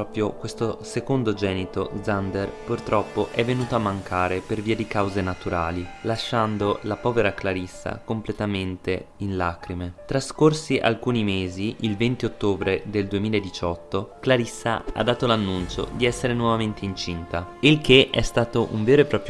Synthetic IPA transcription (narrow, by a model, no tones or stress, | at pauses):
ɔːpɾjokwest̪osekond̪od͡ʒɛːnit̪od̪zand̪erpurt̪ɾɔpːoʔɛvːenuːt̪oamːaŋkʰaːɾeperviːad̪ikawzenat̪uɾaːlilaʃːand̪olapɔːveɾaklaɾisːa̰komplet̪ament̪einlaːkɾimet̪ɾaskorsiʔa̰lkuːnimeːziʔilvent̪iot̪ːoːbɾed̪eld̪uemiːlaed̪ːit͡ʃɔt̪ːoklaɾisːaa̰d̪ːaːt̪olanːunt͡ʃo̰d̪iɛsːeɾenwɔvament̪eint͡ʃint̪ailkeʔɛst̪aːt̪oʔuɱveːɾoepɾɔːpɾj